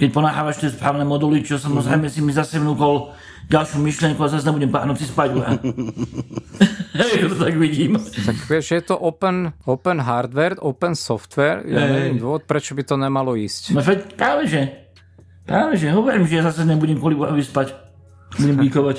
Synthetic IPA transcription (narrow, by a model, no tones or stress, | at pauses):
kɛc̚pɔnaːxaːʋaʃt̪jɛspɾaːʊnɛːmɔd̪ulit͡ʃɔsamɔzɾɛjmɛsimizasɛvnuːkɔl | ɟalʃjumiʃlijɛŋkuazasɲɛbuɟɛmpa̰ːɦnut͡sispaɟua̰ | akɔt̪ɔt̪aɡʋiɟiːmt̪akʋɛʒʒɛjɛt̪ɔʔɔpɛnɔpɛnɦaɾd̪ʋɛɾt̪ɔpɛnsɔft̪ʋɛɾjɛ̰ɛdnid̪ʋɔʋɔt̪̚pɾɛt͡ʃɔbit̪ɔɲɛmalɔiːscnɔfɛcpɾaːʋɛʒɛ | pɾaːʋɛʒɛɦɔʋɔɾiːmʒɛjazasɛɲɛbuɟɛmkɔliɡba̰ɦɔʋispac | buɟɛmbiːkɔʋac